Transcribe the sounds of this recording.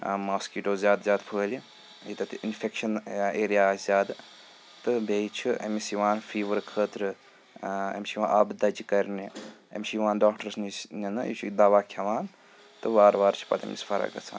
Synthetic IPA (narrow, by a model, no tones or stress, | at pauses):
maːskiʈoːzʲjaːd̪zʲjaːd̪pʰəːlʲi | it̪ɐt̪iinfekʃɐneːɾijaːzʲjaːd̪ | t̪ɨbʱeit͡ʃʰiɐ̰misiʋaːnfiːʋəɾkʰəːt̪ɾɨ | ɐ̰mʲiʃiʋaːnʔaːbd̪ɐd͡ʒikɐɾʲniɐ̰mʲʃijʋaːnɖaːkʈɐɾsnininɨjḭt͡ʃʰud̪aːʋaːkʲʰjɐʋaːn | t̪ɨʋaːɾʋaːɾt͡ʃʰi̥pɐ̰t̪ɐ̰mʲḭsfɐɾɐ̰ɡɐ̰t͡sʰa̰ːn